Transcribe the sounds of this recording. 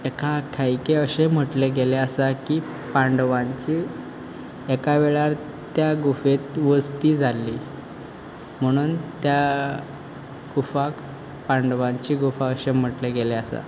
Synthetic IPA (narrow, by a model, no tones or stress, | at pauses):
ekʰakʰajkeəɕem̤əʈleɡeleasakiː | pãɳɖʋãɲt͡ɕiː | ekaʋeɭaɾ | t̪jaɡufet̪ʋəst̪iːd͡zʱalːiː | m̤əɽ̃uːnt̪ja | ɡ̥ufak | paɳɖʋãɲt͡ɕiːɡufaəɕem̤əʈleɡeleasa̰